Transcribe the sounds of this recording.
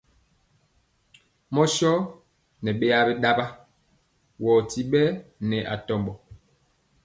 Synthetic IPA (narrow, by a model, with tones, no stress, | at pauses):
mɔ˦ʃɔ˦ | nɛ˨ɓe˦a˦bɛ˦ɗa˦ba˦ | wɔː˨ti˨ɓɛ˦nɛ˨ʔa̰˨tɔ˨mbɔ˨